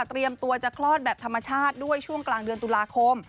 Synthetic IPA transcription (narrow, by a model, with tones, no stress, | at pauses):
t̪ɾi˧əmt̪u˧ɐt͡ɕa˨˩kʰlɔː˥˩t̪̚bɛː˨˩p̚t̪ʰa˧mːa˧t͡ɕʰaː˥˩t̪̚du˥˩əjt͡ɕʰu˥˩əŋklaː˨˩ŋdɯ˧ənt̪u˨˧laː˧kʰo˧m